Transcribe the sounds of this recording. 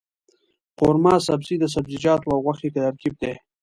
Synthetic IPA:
qʊɾmɑːsabzid̪əs̬abzid͡ʒɑːt̪wawɣwaxikat̪aɾkib̚d̪e

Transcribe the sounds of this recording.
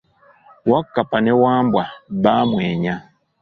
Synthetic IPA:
wakːapanɛwambwabamwɛɲa

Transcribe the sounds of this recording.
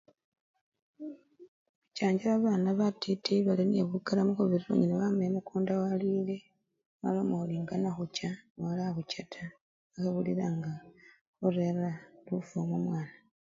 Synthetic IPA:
βucaːɲɟelaβaːnaβatʰitʰiβalinḛβukalamukoβiɾiɾo̰ɲinaβamemukʰuːndawaliːle̞ | βa̰lomoliŋɡanaxut͡ʃawalaxucatʰa | axaβuliɾaŋɡa | oɾeralufomumwaːna

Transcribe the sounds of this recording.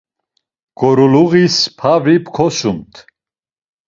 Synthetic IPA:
ɡ̥ɔɾuluɣispʰavipʰkʰɔsumt̪ʰ

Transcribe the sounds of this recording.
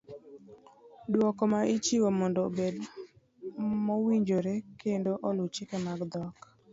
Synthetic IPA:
dwɔkɔmaʔit͡ʃiwomɔndobed | mɔwiɲd͡ʒoɾɛkendoʔɔlut͡ʃɪkɛmaɡd̪ɔk

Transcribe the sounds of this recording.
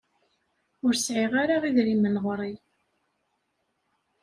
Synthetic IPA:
ʊɾsʕiʁaɾaʁiðɾimənʁɾˤi

